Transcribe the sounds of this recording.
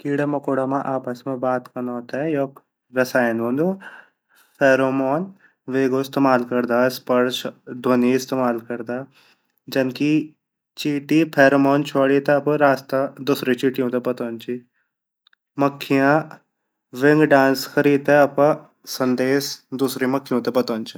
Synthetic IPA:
kiːɽemɐkoːɽaːmãʔaːpɐsmẽbaːt̪kɐnɔːt̪ɛjoːk | ɾɐsaːjnɦõːnd̪o | pʰeːɾoːmoːn | ʋeːɡoɪst̪eːmaːlkɐɾd̪aːspɐɾʃd̪ʱoːniɪst̪eːmaːlkɐɾd̪aː | d͡ʒɐnki | t͡ʃiːʈipʰeːɾomoːnt͡ʃʰoːɽit̪eɐpɾaːst̪ad̪uːsɾit͡ʃiːʈijõt̪epɐt̪oːnt͡ʃi | mɐkʰːijã | ʋɪŋɡɖãːnskɐɾiːd̪ɛɐp | sɐ̃nd̪eːsd̪uːsɾimɐkʰːjõt̪epɐt̪oːnt͡ʃi

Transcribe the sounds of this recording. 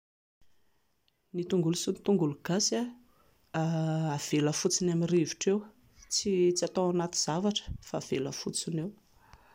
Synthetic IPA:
nit̪uŋɡulusunt̪uŋɡuluɡ̥asa | av̥eləfut͡sinamiriviʈ͡ʂew | t͡sit͡siat̪oanat̪iz̥avaʈ͡ʂə̥faːv̥eləfut͡sinew

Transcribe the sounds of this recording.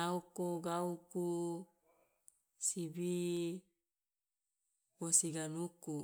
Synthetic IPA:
aukoɡauku | sibi | bosiɡanuku

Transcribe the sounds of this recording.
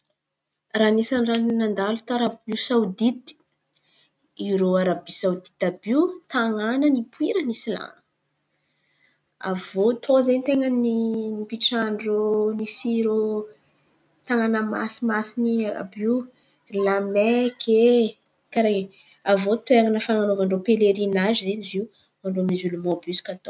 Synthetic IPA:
ranisanrannand̪alut̪aɾabisawd̪it̪i̥ | iɾoaɾabisawd̪i̥t̪abiut̪aŋanənipuiɾənisila̰ŋ | a̰vot̪ʰozent̪eŋəninipiʈ͡ʂaɳɖ͡ʐonisiɾu | t̪aŋanəma̰simasinia̰bi | lamɛkʰe | kaɾeɲ | avot̪eŋanəfaŋanovaɳɖ͡ʐopeleɾinazzeniziu | maɳɖ͡ʐomizulumɔbyskat̪o

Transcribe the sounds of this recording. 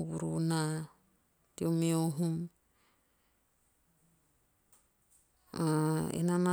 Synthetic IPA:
βṵɾṵna | tiomeoɦum | aḛnana

